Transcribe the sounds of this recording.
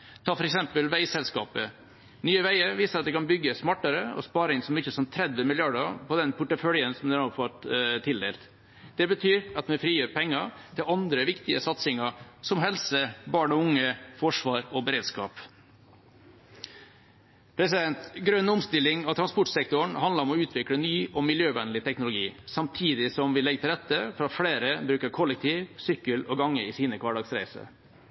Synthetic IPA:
t̪ʰɑːfɔɾɛksɛmpəlʋæɪsɛlskɑ̰ːpə | nyːəʋæɪəɾʋiːsəɾɑt̪̚d̪ɛkʰɑnbʏɡːəsmɑʈːəɾəɔ̰spɑːɾɪŋsɔmɪçːəsɔnt̪ʰɾɛd̪ʋəmɪlɪɑɖəpʰɔd̪ɛnpʰʊʈəfœljənsɔmd̪ɛʊfɑt̪t̪ʰɪld̪ḛːlt̪ | d̪̥ɛbət̪ʰyːɾɑt̪mɛfɾiːjøːɾpʰɛŋːət̪ʰɪlɑnd̪ɾəʋɪkt̪ɪəsɑt̪sɪŋɑsɔmɦɛlsəbɑːɳɔʊŋːəfɔʂʋɑːɾɔbɛɾeːd̪skɑ̰ːp | pʰɾɛs̬ɪd̪ɛnt̪ɡɾœnːʊmst̪ɪlːɪŋɑʋt̪ʰɾɑspʊʈsɛkt̪ʊəɳhɑnd̪ləɾɔmɔʉːt̪ʰʋɪkɽənyːɔmɪljøːʋɛnəlɪt̪ʰɛknʊlʊɡiːsɑmt̪ʰiːd̪ɪsɔmʋɪlɛɡət̪ɪlɾɛt̪ːəfɾɑfɽeːɾəbɾʉːkəɾkʰɔlːɛk̚t̪ʰiːʋsʏkːəlɔɡɑŋːəɪsiːnəkʰʋɑːɖɑːɡsɾæ̰ɪsə̰

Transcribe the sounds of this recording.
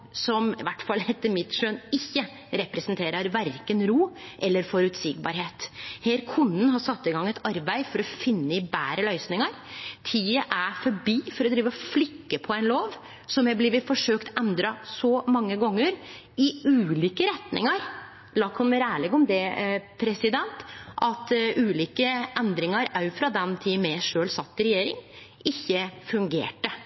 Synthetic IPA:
sɔmɪ̰ʋæʈːfɑlːɛt̪ːəmɪt̪ʂøːnɪçːə | ɾɛpɾɛsənt̪ʰeːɾəɾʋæɾkənɾuːʔɛlːəɾfɔɾʉːt̪sɪɡ̚bɑ̰ɾɦeːt̪heːɾkʰʊnːənɦɑsɑt̪ːɪɡɑŋːɛt̪ɑɾbæɪfɔɾɔfɪnːəɪbæːɾəlœʏsnɪŋəɾt̪ʰiːəʔæfɔɾbiːfɔɾɔd̪ɾiːʋəɔflʏkːəpʰɔæɪnloːʋ | sɔmjɛblɪːʋəfɔʂøːkt̪ɛnd̪ɾɑsɔmɑŋːəɡɔŋːəɾ | ɪʉːliːkəɾɛt̪nɪ̰ŋɑɾ | lɑkʰɔnmɛɾæːɭɛɡɔmd̪ɛpʰɾɛsɪd̪ɛnt̪ʔɑt̪ʉːliːkəʔɛnd̪ɾɪŋɑɾɑfɾɑd̪ɛnt̪ʰimɛʂøːlsɑt̪ːəɾɛjeːɾɪ̰ŋ | ɪçːəfʉŋɡḛːʈə

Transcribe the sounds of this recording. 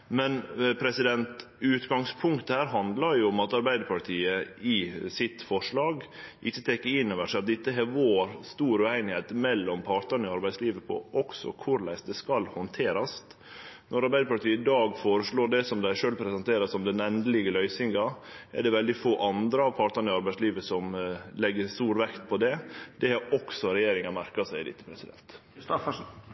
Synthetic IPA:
mɛnpʰɾɛsɪd̪ɛnt̪ | ʉːt̪ɡɑŋspʰʊŋkt̪əhæːɾɦɑnd̪lɑɾjʊɔmɑt̪ɑɾbæɪd̪əɾpʰɑʈʰiːəɪsɪt̪fɔʂɭɑːɡʔɪçːət̪ʰɛkːəɾɪnːoːʋəʂæɪɑt̪̚d̪ɪt̪ːəɦɛʋoːɾst̪uːɾʉæɪnɪheːt̪mɛlːɔmpʰɑɾʈ̪ənəɔɑɾbæɪsliːʋəpʰɔ̰ʔɔksɔ̰kʰʊɾlæɪsd̪ɛskɑlhɔnt̪ʰeːɾɑs | nɔɾɑɾbæɪəpɑʈt̪iːɪd̪ɑːɡfoːɾəʂɭoːɖɛsɔmd̪æɪʂøːlpʰɾɛsɛnt̪ʰeːɾɑsɔmd̪ɛnɛnd̪əlɪɡəlœʏsɪŋɡɑʔɛ̰ɖɛʋɛld̪ɪfoːʔɑnd̪ɾəɑʋpʰɑɾʈ̪ɑnəɪɑɾbæɪsliːʋəsɔmlɛɡːəɾst̪uːɾʋɛkt̪pʰɔd̪ɛd̪̥ɛhæɾʔɔksɔɾɛjeːɾɪŋɑmæɾkɑsæɪd̪ɪ̰t̪ːə̥pʰɾɛsɪd̪ɛ̰nt̪

